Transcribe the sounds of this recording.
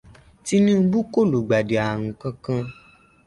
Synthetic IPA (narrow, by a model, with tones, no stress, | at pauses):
ti˦nĩ˦m̩˦bu˦ko˦˨lu˨ɡ͡ba˨de˨a˨ŋ̩̃˨kã˧kã˧